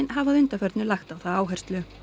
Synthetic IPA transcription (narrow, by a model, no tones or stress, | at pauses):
nɦavaðʏnt̪afɛɾt̪nʏlaxt̪awθaðaːwɦɛr̥st̪lʏ